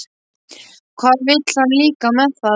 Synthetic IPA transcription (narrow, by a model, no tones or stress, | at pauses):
kʰvaːðvɪt̪l̥hanliːkamɛðθa